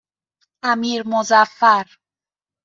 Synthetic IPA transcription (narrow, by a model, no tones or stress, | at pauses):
æmiːɾmozæfːæɾ